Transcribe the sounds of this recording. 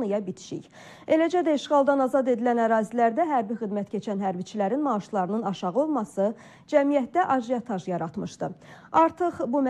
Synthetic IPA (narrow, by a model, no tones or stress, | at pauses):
nɯjɑbit̪ʰi̥ʃḭç | e̞læd͡ʒæd̪æiʃʁɑlˠd̪ɑnɑzɑd̪e̞d̪ilænæɾɑːzilæɾd̪æɦæɾbixid̪mæt̪cʰe̞t͡ʃʰænɦæɾbit͡ʃʰilæɾinmɑːʃlˠɑɾɯnɯnɑʃɑʁɯo̞lˠmɑsɯ | d͡ʒæmijæt̪d̪æʔɑʒiet̪ʰɑʒjɑɾɑt̪mɯʃd̪ɯɑɾt̪ʰɯχbum